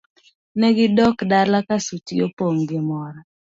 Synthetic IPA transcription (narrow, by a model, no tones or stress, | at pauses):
nɛɡɪdɔkdalakasutijo̰poŋɡɪmɔɾa